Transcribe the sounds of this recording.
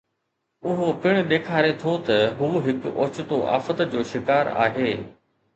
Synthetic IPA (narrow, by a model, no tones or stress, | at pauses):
ʊɦopɪɽ̃ʊ̆ɗ̪eːkʰaːɾet̪ʰot̪ɐɦuːɦɪkoːt͡ɕʊt̪oʔa̰ːfət̪d͡ʑoːʃɪkaːɾa̰ːɦeː